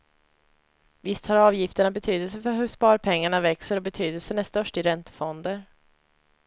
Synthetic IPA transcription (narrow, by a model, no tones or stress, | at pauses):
vɪst̪haɾɑːvjɪft̪əɳabɛt̪ʰyːd̪əlsəfœɾɦɵʂpɑːɾpʰɛŋːaɳavɛksəɾɔbɛt̪ʰyːd̪əlsənæʂt̪œʂʈɪɾɛnt̪ə̥fɔnd̪əɾ